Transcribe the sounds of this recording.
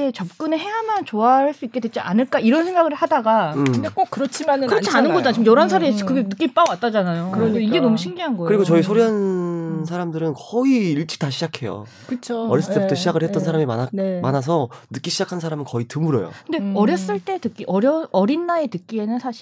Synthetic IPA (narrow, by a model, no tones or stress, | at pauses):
et͡ɕʌp̚k͈ɯneɦe̞amant͡ɕoaɦaɭs͈uik͈e̞dwet͡ɕiʔanɯɭk͈aiɾʌnsʰe̞ŋɡaɡɯɭhadaɡaɯmdek͈okɯɾʌt͡ɕʰimanɯkɯɾʌt͡ɕʰianɯnɡʌd͡ʑanat͡ɕimjʌɾans̬ʰaɾeekɯɡenɯk͈imp͈awat͈̚ad͡ʑanajoɯdeiɡe̞nʌmuɕʰiŋɡiɦanɡʌkɯɾiɡot͡ɕʌisʰoɾiɦans̬ʰaɾamdɯɾɯnkʌiiɭt͡ɕ͈i̥k̚taɕʰid͡ʑakʰe̞jo̰ | kɯt͡ɕʰoːɾjʌs͈ɯɭt͈ebutʰʌɕʰid͡ʑaɡɯɭhe̞tt͈ʌnsʰaɾamima̰anmanas̬ʰʌnɯk͈iɕʰid͡ʑakʰans̬ʰaɾamɯnkʌitɯmuɾʌ̰jo̰kɯnde̞ʌɾjʌs͈ɯɭt͈etɯk͈iʔʌɾjʌʌɾinːaetɯk͈ie̞nɯnsʰaɕʰi